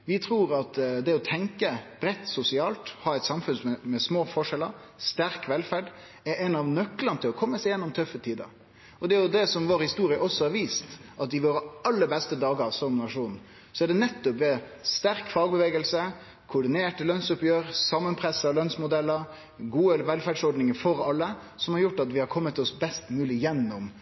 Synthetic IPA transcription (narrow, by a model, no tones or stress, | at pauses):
ʋɪt̪ʰɾuːɾɑt̪d̪ɛɔt̪ʰɛŋkəb̥ɾɛt̪ːsʊsɪɑːlt̪hɑːɛɪt̪sɑmfʉnsmɛmɛsmoːfɔʂɛləɾ | st̪æɾkʋɛlfæɖ | ɛɾɛnɑʋnœklənət̪ʰɪlɔkʰɔmːəsɛɪjɛnːɔmt̪ʰœfət̪ʰiːd̪ə̰ɾ | ɔd̪ɛæɾjʊd̪ɛsɔmʋoːɾhɪst̪uːɾɪəʔɔsːɔhɑɾʋiːst̪ʔɑt̪̚d̪ɪʋoːɾəɑlːəɾbɛst̪əd̪ɑːɡəsɔmnɑʂuːn | sɔæɖɛnɛt̪ːɔpɛst̪æɾkfɑːɡbəʋeːɡəlsə | kʰʊɖɪneːʈəlœnsʊpjøːɾsɑmːənpʰɾɛsəɾlœnsmʊd̪ɛlːəɾ | ɡuːəɛlʋɛlfæːɖsɔɾɖnɪŋəfɔɾɑlːə | sɔmhɑɾjʊʈːɑt̪ʋɪhɑɾkʰɔmːət̪ɔsbɛst̪mʉːlɪjɛnːʊm